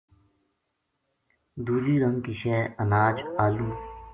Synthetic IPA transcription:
d̪uːd͡ʒiːɾəŋkiʃeːənaːd͡ʒaːluː

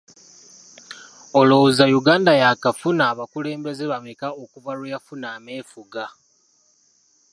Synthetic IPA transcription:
olozajuɡaːndajakafunaːβakule̞ːmbe̞zeβamikaokuvalujafunaːme̞ːfuɡa

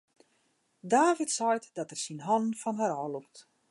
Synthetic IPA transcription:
daːvitsɔjtdɔtɛrsinɦɔnn̩fɔnɦaɾɔːluk̚t

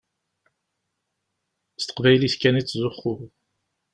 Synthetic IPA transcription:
st̪ə̥qvæjliskænit͡sːzʊχːʊ

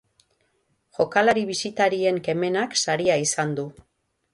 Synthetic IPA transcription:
ʝo̞kalaɾiβ̞isit̪aɾie̞ŋke̞me̞naksaɾiaisand̪u

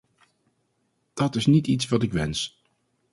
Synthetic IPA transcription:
d̥ɑtɪsnititsʋɑtɪkʋɛns

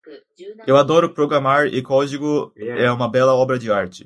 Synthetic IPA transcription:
ewad̪ɔɾʊpɾoɡɾamaɾɪ̰kɔd͡ʒiɡʊɛũmɐbɛlɐɔbɾɐd͡ʒɪaɾt͡ʃɪ̥

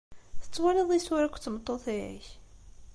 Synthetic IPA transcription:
θə̥t͡sːwaliðˤiswæɾækʷːt͡sːəmt̪ˤːoθˤiʕḭç

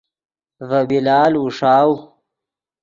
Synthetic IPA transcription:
vɐbilaːluʂaːw

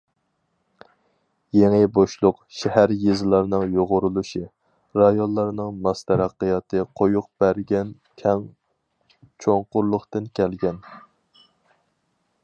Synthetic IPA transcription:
jeŋɪboʃlˠʊqʃɛhæɾjezlˠɑɾnɨŋjoʁʊɾulˠuʃi | ɾɑjonlˠɑɾnɨŋmɑst̪ʰɛɾæqːɨjɑt̪ʰɨqʰojuq̚b̥æɾɡʲɛn | kʲʰɛŋ | t͡ʃʰoŋqʊɾlˠʊχt̪ɨnkʲʰɛlɡʲɛn

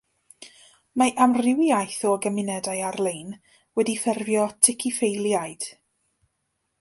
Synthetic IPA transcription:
maʔamrɪwajθɔɡəmɪnɛdajarlˠejn | wɛdifɛrvjɔtʰɪkʰifejlˠjajd̥

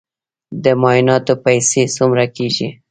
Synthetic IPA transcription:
d̪əmɑjɪnɑt̪opajsesumɾakeʒi

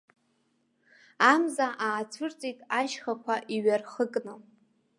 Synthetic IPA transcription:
amzaʔaːt͡sʷʰɨrt͡sʼitʼaʃχakʷʰaʔiɥarχəkʼnɨ

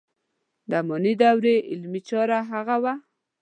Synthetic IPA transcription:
d̪amɔnid̪awɾeʔɪlmit͡ʃɑɾaɦaɣawa

